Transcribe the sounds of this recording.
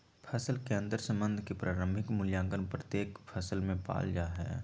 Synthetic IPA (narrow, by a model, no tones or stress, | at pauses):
pʰəsəlkẽːnd̪əɾsə̃mbə̃nd̪ʱkepɾaːɾə̃mbʱɪkmʊljãːŋɡənpɾət̪jeːkpʰəsəlmẽpa̰ːld͡ʒaɦɛ̰ː